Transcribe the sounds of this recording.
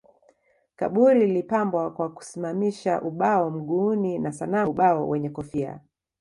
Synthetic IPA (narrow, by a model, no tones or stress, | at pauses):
ka̰ɓuɾilipambwakwaku̥simamiʃa̰ʔuɓaɔm̩ɠuːninasanaɓaɔwʔɛɲɛkɔfia̰